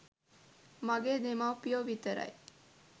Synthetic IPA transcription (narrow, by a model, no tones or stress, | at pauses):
mɐɡeːd̪emawpijoːʋit̪ɐɾɐ̰j